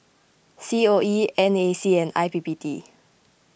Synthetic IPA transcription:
sioiɛ̃nesiɛ̃na̰ɪpibiti

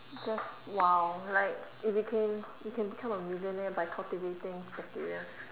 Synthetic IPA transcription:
d͡ʒas | wawlaɪk | ifjukʰɛ̃njukʰɛ̃nbikʰãməmjuzə̃nɛbajkʰaltivetɪ̃ŋb̥ɛk̚tḭɹiə

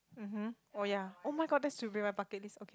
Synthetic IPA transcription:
m̩m̥m̩ | ojaomajɡɔt̚dɛstubɹĩmapakɛt̚lisokʰe

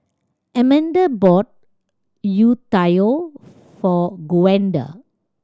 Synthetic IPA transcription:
ɛmɛ̃ndəbɔt̚ | jutajo | fɔɡuɛ̃nda̰

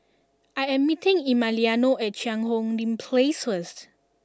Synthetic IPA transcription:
ajɛ̃mːitĩŋimalianoɛt̚ʃãŋɦɔ̃ŋdĩnpʰlesfəst

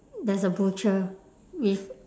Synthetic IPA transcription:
dɛsəbut͡ʃə | wif

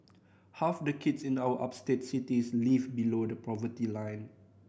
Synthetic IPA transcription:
hafdəkʰɪtsɪ̃nawəʔap̚stet̚sitislivbilodəpɹɔvətilãj̃n

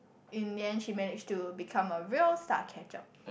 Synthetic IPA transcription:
ĩndiɛ̃nʃimɛnɪd͡ʒtubikʰãməɹiəlsta̰t̚kʰɛt͡ʃɔ̰p̚

